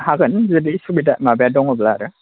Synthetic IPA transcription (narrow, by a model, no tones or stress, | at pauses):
haɡɯnzɯdisubidaʔmabejadɔŋɔblaɾɯ